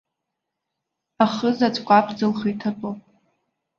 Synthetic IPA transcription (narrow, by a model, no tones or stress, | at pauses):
aχəzat͡sʷʰʼkʷʼapʰd͡zɨlχijtʰatʼopʼ